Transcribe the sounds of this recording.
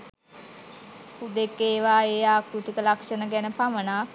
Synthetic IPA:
pud̪ekːeːʋaːeːaːkɾut̪ikəlakʂənəɡænəpamənaː

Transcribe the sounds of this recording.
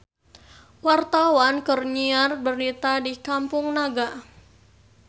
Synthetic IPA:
wart̪awankərɲiarbərnit̪adikampʊŋnaɡa

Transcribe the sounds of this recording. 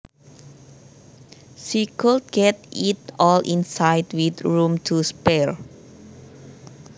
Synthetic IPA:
sikəlt̚ɡ̥ɛt̚itɔlʔĩnsajtwit̪ɹũmtʰuspɛɹ

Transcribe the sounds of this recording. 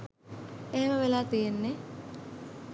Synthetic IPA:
eɦeməʋelaːt̪ijenːe

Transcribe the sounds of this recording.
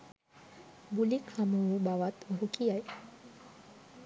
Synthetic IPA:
bulikhaməubaʋat̪ɾukijaj

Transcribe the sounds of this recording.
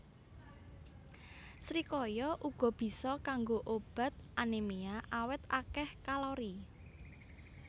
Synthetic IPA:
sɾikɔjɔʔuɡ̥ɔ̤b̥i̤sɔkaŋɡoʔob̥a̤t̪̚ʔanemeaʔawɪt̪akɛhkalɔɾi

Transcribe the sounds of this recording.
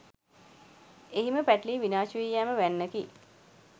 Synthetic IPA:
eɦiməpæʈliːʋinaːʃuʋijːaːməʋænːəki

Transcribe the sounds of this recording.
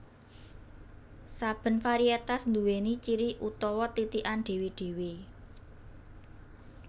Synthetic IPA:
sab̥ə̤nfaɾiet̪asnd̪uwenit͡ʃiɾiʔut̪ɔwɔt̪it̪iʔanɖ̥e̤wiɖ̥e̤wi

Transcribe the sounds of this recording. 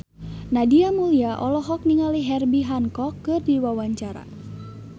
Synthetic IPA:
nadiamuliaʔɔlɔɦɔk̚niŋaliɦɛrbiɦaŋkɔkːɨrdiwawaɲt͡ʃaɾa̰

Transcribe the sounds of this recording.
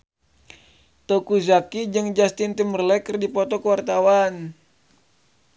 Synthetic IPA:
t̪okuzakid͡ʒɨŋd͡ʒast̪int̪əmərlɛkərdipɔt̪ɔkəwart̪awan

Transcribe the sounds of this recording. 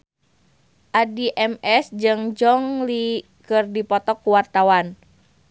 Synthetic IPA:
ʔadiʔɛmɛsd͡ʒɨŋd͡ʒɔŋli | kɨrdipɔt̪ɔkːuwart̪awan

